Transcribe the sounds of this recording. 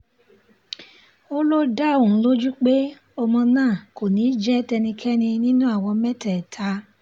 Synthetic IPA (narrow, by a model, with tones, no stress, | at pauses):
o˦lo˦da˦˨õ˨˦lo˦d͡ʒu˦k͡pe˦ | ɔ˧mɔ̃˧nãː˦˨ko˨nĩ˨˦d͡ʒɛ˦tɛ˧nĩ˧kʰɛ˦nĩ˧nĩ˦nũ˦a˦˨wɔ̃˧mɛ˦tɛ˨tʰa˧˦